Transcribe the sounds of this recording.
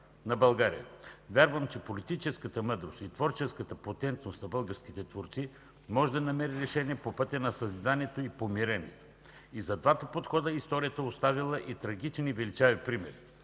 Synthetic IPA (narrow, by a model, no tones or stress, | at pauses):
nɐbɐlˠɡaɾḭjə̰vʲjaɾvəmt͡ʃɛpolit̪it͡ʃɛskət̪əmɤd̪ɾost̪it̪vɔɾt͡ʃɛskət̪əpot̪ɛnt̪nost̪nɐbəlˠɡəɾskit̪ɛt̪voɾt̪si | mɔʒɛd̪ɐnɐmɛɾiɾɛʃɛniɛpopɤt̪ʲənɐsɐzid̪aniɛt̪oipomiɾɛnʲɛ̰t̪o̥ | izɐd̪vat̪əpot̪xɔd̪əist̪ɔɾijət̪əost̪avilˠəʔit̪ɾɐɡ̟it͡ʃnivɛlit͡ʃavpɾimɛ̰ɾi